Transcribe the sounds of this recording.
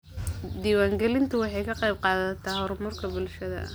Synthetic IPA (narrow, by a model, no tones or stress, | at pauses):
d̪iːwaːŋɡɛlɪnt̪ʰʊwɑħɑjkʰɐqɑjb̚qɑːðɐt̪ʰaːhɔɾmʊrkʰɐbʊlʃɐðɐ̰ʔ